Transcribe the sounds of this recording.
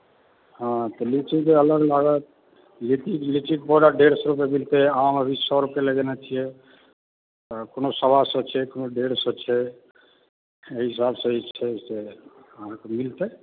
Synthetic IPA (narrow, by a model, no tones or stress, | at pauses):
ɦɔ̃t̪ɔlit͡ʃik̪eələɡlaɡət̪̚ | liʈiklit͡ʃik̚pɔɽaɖeɾsɔɾup̬emilt̪eaməbʱisɔɾupeləɡenat͡ʃʰijɛ | ɔkonosəbʱasə̃t͡ʃʰɛkonoɖeɾsət͡ʃʰɛ | eɦisabsə̃t͡ʃʰɛseəãkemilt̪e